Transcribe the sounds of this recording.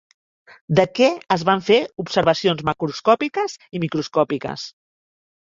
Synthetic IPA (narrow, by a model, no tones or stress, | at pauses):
d̪əkɛəzβaɱfeupsəɾβəsionzməkɾuskɔpikəzimikɾuskɔpikə̰s